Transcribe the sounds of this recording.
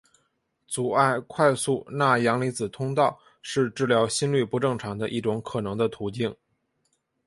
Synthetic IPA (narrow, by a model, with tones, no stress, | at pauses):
t͡su˨˩a˥˩ɪkʰwa˥˧ɪsu˥˧na˥˩jɑ˧˥ŋli˧˥t͡sɹ̩˨˩t̪ʰʊ˥ŋt̪ɑ˥˩ʊ | ʂɻ̩˥˧ʈ͡ʂɻ̩˥˩ljɑ˧˥ʊɕi˥nly˥˩pu˧˥ʈ͡ʂɤ˥˩ŋʈ͡ʂʰɑ˧˥ŋd̪ə̰˧ʔi˥˩ʈ͡ʂʊ˧˥ŋkʰɤ˨˩nɤ˧˥ŋd̪ə˧t̪ʰu˧˥t͡ɕi˥˩ŋ